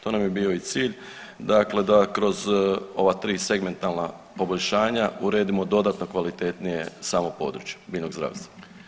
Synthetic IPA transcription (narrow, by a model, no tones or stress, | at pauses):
t̪o̞ːnamjebiːo̞it̪siːʎ | d̪akle̞d̪akɾo̞zo̞ʋat̪ɾiːse̞ɡme̞nt̪alnapo̞boʎʲʃaːɲauɾe̞ːd̪imo̞d̪o̞d̪at̪no̞kʋalit̪e̞t̪nije̞saːmo̞po̞̰ːd̪ɾut͡ʃje̥biːʎno̞ɡzɾa̰ːʋst̪vḁ